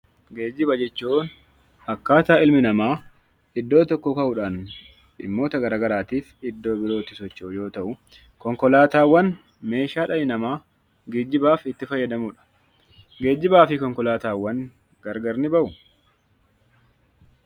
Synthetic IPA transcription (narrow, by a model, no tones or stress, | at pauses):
ɡeːd͡ʒːɪbɐd͡ʒɛt͡ʃːoːn | ɐkːaːt̪aːɪlmɪnɐmaː | ɪd̪ːo̞ːt̪ɔkːɔkɐʔʊᶑaːn | ᶑɪ̰mːo̞ːt̪ɐɡɐɾaːɡɐɾaːt̪iːfɪd̪ːo̞ːbɪɾoːt̪ɪ̥sɔt͡ʃːoʔʊjo̞ːt̪ɐʔʊ | kɔŋkɔlaːt̪aːwːɐn | me̞ːʃaːᶑɐjɪnɐmaː | ɡeːd͡ʒːɪbaːfɪt̪ːɪfɐjːɐd̪ɐmʊᶑɐ̥ | ɡeːd͡ʒːɪbaːfɪkɔŋkɔlaːt̪aːwːɐŋ | ɡɐɾɡɐɾnɪbɐʔʊ